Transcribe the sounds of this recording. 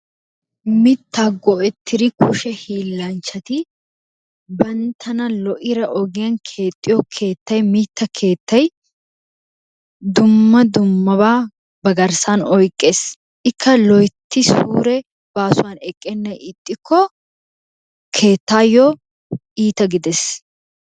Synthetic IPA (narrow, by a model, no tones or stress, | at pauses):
mɪt̪ːaːɡɔʔɛt̪ʰːɪd̪ɪkʰʊʃɛhiːlːɐnt͡ʃːɐt̪ɪ | bɐnt̪ʰɐnɐlɔʔɪɾɐʔɔɡɪjɐnkʰe̞ːt̪ʼːɪjɔkʰe̞ːt̪ːɐjmiːt̪ːɐkʰe̞ːt̪ːɐj | d̪ʊmːɐd̪ʊmːɐbaː | bɐɡɐɾsanɔjkʼːe̞ːs | ʔɪkːɐlɔjt̪ːɪsuːɾɛ | b̥aːsʊwanɛkʼːɛnːɐjɪt̪ʼːɪkʰːɔ | kʰe̞ːt̪ːaːjɔ | iːt̪ɐɡɪd̪ɛs